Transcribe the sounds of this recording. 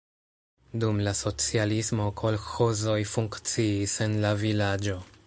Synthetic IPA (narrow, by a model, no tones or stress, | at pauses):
dumlaso̞t͡sialismo̞kʰo̞lxo̞zo̞jfuŋkt͡siːse̞nlavilad͡ʒo̞